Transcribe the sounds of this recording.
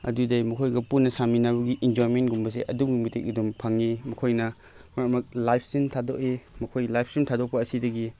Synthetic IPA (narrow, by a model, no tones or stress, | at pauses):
ɐ̰dudɐjmɐkʰojɡɐpunːɐsaminabɐɡiʔind͡ʒojmentɡumbɐsḛʔɐduɡimitek̚ɐdumpʰaŋimɐkʰojnɐ | mɐɾmɐk̚lajpʰsintʰadokemɐkʰojlajpʰsintʰadok̚pɐːsidɐɡi